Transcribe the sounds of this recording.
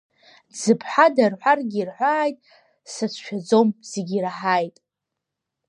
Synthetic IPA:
d͡zɨpʰħadarħʷarɡʲirħʷaːjtʼ | sasʷʰʃᶣad͡zo̞mzeɡʲiraħajtʼ

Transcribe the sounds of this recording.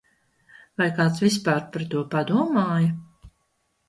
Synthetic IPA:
vajkaːt̪svis̬paːɾpaɾt̪uɔpad̪uɔmaːjɐ

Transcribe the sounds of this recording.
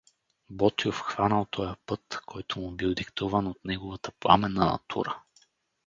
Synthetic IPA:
bɔt̪iofxvanəlˠt̪ʰɔjəpɤt̪kʰɔjt̪ʊmʊbilˠd̪ikt̪uvənot̪nɛɡovət̪ə̥plˠa̰mɛnːənɐ̰t̪ʰṵɾə

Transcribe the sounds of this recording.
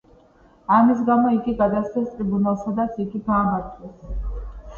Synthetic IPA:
amis̬ɡamɔiɡiɡad̪ast̪sɛst̪ʼɾibunalˠsad̪at̪sʰiɡiɡaːmaɾt̪ʰʼwɛs

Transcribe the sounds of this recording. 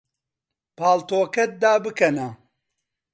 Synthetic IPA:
paːlt̪oːkɐt̪̚d̪aːbɨkɐnɐ

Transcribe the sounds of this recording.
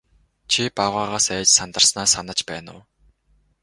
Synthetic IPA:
t͡ɕʰipaʁaːʁaːsæːt͡ɕsant̪ə̆rsnaːsanə̆t͡ɕpæːnʊ̰w

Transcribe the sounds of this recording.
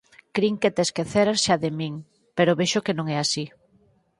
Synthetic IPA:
kɾiŋket̪eskeθeɾaʃaðemiŋ | peɾoβeʃokenõŋɛasi

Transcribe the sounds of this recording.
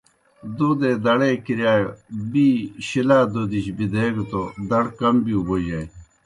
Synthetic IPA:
d̪od̪ed̪ɐɽeːkiɾjaːjobiɕilaːd̪od̪iɕbid̪eːɡut̪od̪ɐɽkɐmbiuboʑaj

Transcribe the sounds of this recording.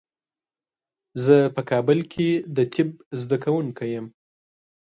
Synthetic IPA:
zəpəkʰɑbəlkʰed̪ət̪ʰɪb̚zd̪akawuŋkajəm

